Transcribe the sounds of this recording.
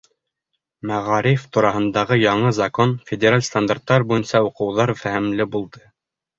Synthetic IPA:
mæʁɑɾift̪uɾɑhɤ̆nd̪ɑʁɤjɑɴɤzɐkonfʲɪdʲeɾalʲst̪and̪art̪ːɑɾbujɤ̆nsɑuqɤ̆wðɑɾfæhɘ̆mlɘbulˠd̪ɤ

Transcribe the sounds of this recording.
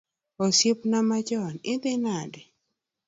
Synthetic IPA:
osjepnamad͡ʒɔnɪd̪ɪnadɛ

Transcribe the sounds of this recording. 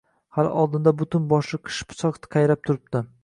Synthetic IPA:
haɾɒ̰lˠd̪ɪnd̪abʊt̪ʰɪnbɒʃlˠɪqʰɨ̥ʃpʰʊ̥sɒqt̪ʰqʰɑjɾap̚t̪ʰʊɾɪp̚t̪ɪ

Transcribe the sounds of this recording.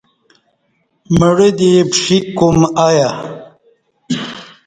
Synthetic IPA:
məɽid̪ipʂikumaja

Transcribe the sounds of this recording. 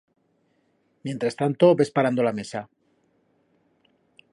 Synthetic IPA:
mje̞nt̪ɾast̪ant̪oβe̞spaɾand̪olame̞sa

